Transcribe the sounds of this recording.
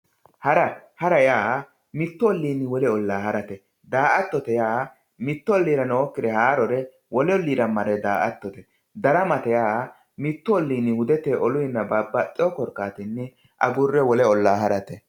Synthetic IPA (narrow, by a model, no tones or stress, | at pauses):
hɐɾɐhɐɾɐjaː | mɪt̪ːɔɔlːiːnːɪwɔlɛɔlːaːhɐɾɐt̪ɛ | d̪aːʔɐt̪ːɔt̪ɛjaː | mɪt̪ːɔɔlːiːɾɐnoːkːɪd̪ɛhaːɾɔɾɛ | wɔlɛɔlːiːɾɐmɐɾɛd̪aːʔɐt̪ːɔt̪ɛ | d̪ɐɾɐmɐt̪ɛjaː | mɪt̪ːɔɔlːiːnːɪhʊd̪ɛt̪eːʔɔlʊjɪnːɐbaːbːɐt͡ʃʼːɪɔkɔɾkːaːt̪ɪnːɪ | ʔɐ̰ɡʊrːɛwɔlɛɔlːaːɦɐɾɐt̪ɛ